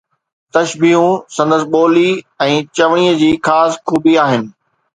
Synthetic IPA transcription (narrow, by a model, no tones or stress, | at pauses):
t̪ɐʃbiːɦũsɐ̃nd̪əsɪ̆ɓoːli | ɛ̃ːt͡ɕɐʋɽ̃iːəd͡ʑiːxaːsxuːbiaːɦɪnɪ̆